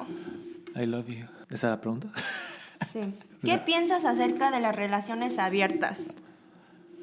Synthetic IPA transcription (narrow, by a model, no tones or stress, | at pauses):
ajlavjuesalapɾeɣunt̪ḁ | si | kepje̞nsasase̞ɾkaðe̞lasre̞lasjo̞ne̞saβje̞ɾt̪a̰s